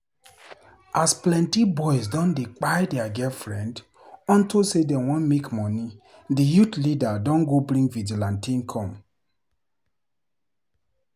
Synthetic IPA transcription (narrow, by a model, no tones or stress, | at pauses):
asplɛ̃ntibɔɪsdɔ̃ndek͡paɪdɛaɡɛlfɹɛ̃nd | ɔ̃ntosedɛ̃wɔ̃nmekmɔ̃ni | dijutlidadɔ̃nɡobɾĩŋɡvid͡ʒilãntĩnkʰɔ̃m